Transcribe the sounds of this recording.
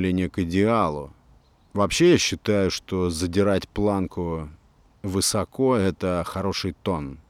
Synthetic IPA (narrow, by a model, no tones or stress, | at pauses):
lʲenʲɪəkɪdʲɪalˠʊ̰ | vɐpɕːe̞jaɕːɪt̪ajʊʂt̪o̞zədʲɪɾatʲplˠankʊ | vɨsɐko̞ɛt̪əxɐɾo̞ʂɨjt̪o̞n